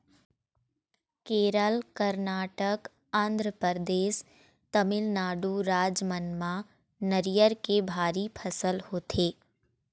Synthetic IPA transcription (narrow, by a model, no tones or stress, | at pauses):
keːɾəlkəɾnaːʈək | ãːnd̪ʱɾəpəɾd̪eːs | t̪əmɪlnaːɖuɾaːd͡ʒmənmã | nəɾijəɾkebʱaːɾipʰɐsəlhoːt̪ʰeː